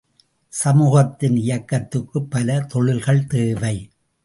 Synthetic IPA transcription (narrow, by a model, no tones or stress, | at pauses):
sɐmuːɣɐt̪ːɪnɪjɐkːɐt̪ːɯkːɯpːɐlɐt̪ɔɻɪlɣɐɭt̪eːʋɐɪ